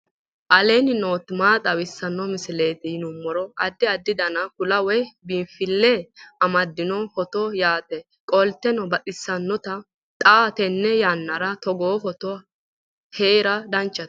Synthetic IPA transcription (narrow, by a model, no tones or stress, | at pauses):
ʔɐleːnɪno̞ːt̪maːt̪ʼɐwɪsːɐnːɔmɪsɪleːt̪ɪnʊmːɔɾɔɐd̪ːɪɐd̪ːɪd̪ɐnɐkʊlɐwɛbinfɪlːɛɐmɐd̪ːɪnɔhɔt̪ɔjaːt̪ɛ | kʼɔlt̪ːɛnɔbɐtʼɪsːɐnːɔt̪ɐ | t̪ʼaːt̪ɛnːɛjanːɐɾɐt̪ɔɡoːhɔt̪ɔ | heːɾɐd̪ɐnt͡ʃːɐt̪